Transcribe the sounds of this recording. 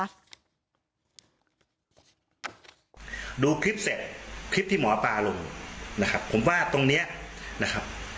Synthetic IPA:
duː˧kʰɾi˦˥p̚se˨˩t̪̚kʰɾi˦˥p̚t̪ʰiː˥˩mɔː˩˦paː˧lo˧ŋna˦˥kʰa˦˥pʰːo˩˦mwaː˥˩t̪o˧ŋniː˦˥ɐna˦˥kʰa˦˥p̚

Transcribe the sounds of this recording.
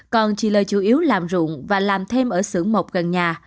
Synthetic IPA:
kɔ˨˩nt͡ɕi˧˩ləː˨˩jt͡ɕu˧˩ʔi˨˦əwlaː˨˩mzṵ˧˨əŋvaː˨˩laː˨˩mt̪ʰe˧mʔəː˧˩sɨ˧˩əŋmo˨˩wk͡p̚ɣə˨˩nɲaː˨˩

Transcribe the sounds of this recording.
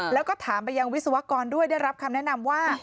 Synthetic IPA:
lɛː˦˥wkɔː˥˩t̪ʰaː˩˦mpa˧jːa˧ŋwi˦˥t̪̚sa˧wa˦˥kɔː˧ndu˥˩əjdaː˥˩jɾa˦˥p̚kʰa˧mnɛ˦˥ʔna˧mwaː˥˩

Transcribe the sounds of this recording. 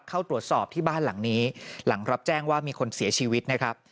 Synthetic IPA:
kʰaː˥˩wt̪ɾu˨˩ət̪̚sɔː˨˩p̚t̪ʰiː˥˩baː˥˩nla˨˩˦ŋniː˦˥la˩˦ŋɾa˦˥p̚t͡ɕɛː˥˩ŋwaː˥˩miː˧kʰo˧nsi˨˩˦ɐt͡ɕʰiː˧wi˦˥t̪̚na˦˥kʰa˦˥p̚

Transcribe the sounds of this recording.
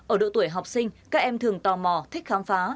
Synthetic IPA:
ʔəː˧˩ɗo̰˧˨t̪u˧˩əjɦa˨˩wk͡p̚sï˧ŋkaː˦˥k̚ʔɛ˧mt̪ʰɨ˨˩əŋt̪ɔ˨˩mɔ˧˩t̪ʰï˦˥k̟̚xaː˨˦mfaː˨˦

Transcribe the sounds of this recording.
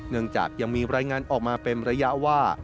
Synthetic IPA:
nɯ˥˩əŋt͡ɕa̰ː˨˩k̚ja˧ŋmiː˧ɾaː˧jŋaː˧nʔɔː˨˩k̚maː˧pe˧nɾa˧ja˦˥ʔwaː˥˩

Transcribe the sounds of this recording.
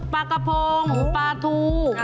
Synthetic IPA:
pa˧ka˧pʰoː˧ŋ˨˦paː˧t̪ʰuː˧

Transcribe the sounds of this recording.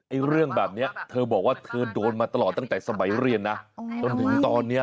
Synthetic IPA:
ʔa˧˥˩jɾɯ˥˩əŋbɛː˨˩p̚ni˦˥ɐt̪ʰɤː˧bɔː˨˩k̚waː˥˩t̪ʰɤː˧doː˧nmaː˧t̪a˧lɔː˨˩t̪ːa˥˩ŋt̪ɛː˨˩sa˧ma˩˦jɾi˧ənːa˦˥t͡ɕo˧nt̪ʰɯ˩˦ŋt̪ɔː˧nːi˦˥ɐ

